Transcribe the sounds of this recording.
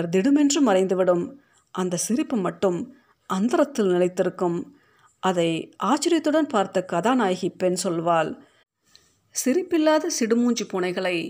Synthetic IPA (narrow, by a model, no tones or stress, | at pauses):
ɐɾd̪ɪɽɯmɛndrɯmɐɾɐɪnd̪ɯʋɪɽɯm | ʔɐnd̪ɐsɪɾɪpːɯmɐʈːɯm | ʔɐnd̪ɐɾɐt̪ːɪlnɪlɐɪt̪ːɪɾɯkːɯm | ʔɐðɐɪʔaːt͡ʃːɪɾɪjɐt̪ːɯɽɐnpaːɾt̪ɯkːɐðaːnaːjɣɪpːenːsɔlʋaːl | sɪɾɪpːɪlːaːðɐsɪɽɯmuːɲd͡ʒipːuːnɐɪɣɐɭɐɪ